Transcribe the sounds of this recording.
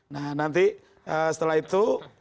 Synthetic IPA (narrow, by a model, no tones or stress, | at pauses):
nahnant̪i | əsə̥t̪əlaɦit̪u